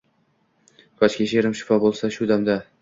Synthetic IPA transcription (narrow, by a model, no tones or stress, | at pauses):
kʰɒt͡ʃkʲaʃeɾɪmʃɪ̥fɒbolˠsaʃʊd̪amd̪a